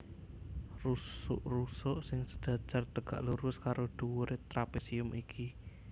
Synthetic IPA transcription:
rusʊʔrusɔʔsɪŋsə̥d̥ʒ̥ä̤̥d͡ʒ̥art̪əɡ̥a̰ʔluɾʊskaɾʔoɖ̪̥uwuɾʔet̪ɾapisiʊmʔikʰi

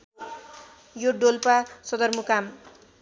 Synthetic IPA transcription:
joɖolpasʌd̪ʌrmukam

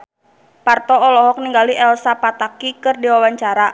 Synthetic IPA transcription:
part̪ɔɔlɔɦɔk̚niŋɡaliʔɛlsapat̪akikɨrdiwawaɲt͡ʃaɾa

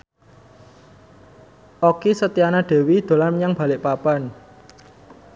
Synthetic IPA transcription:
ʔokisət̪ianaɖ̥e̤wid̪̥o̤larmɲaŋb̥a̤lɪʔpapan

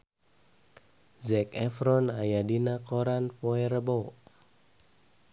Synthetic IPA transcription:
zɛkɛfɾɔnajadinakoɾanpoeɾəbɔ

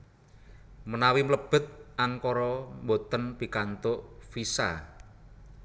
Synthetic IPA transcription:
mənawimləb̥ə̤t̪̚ʔaŋkɔɾɔmbot̪ənpi̤kant̪oʔfisa̰

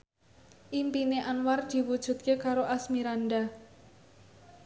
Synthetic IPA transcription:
ʔimpineʔanward̪̥i̤wud̥ʒ̥ṳt̪̚kekaɾoʔasmiɾanɖa

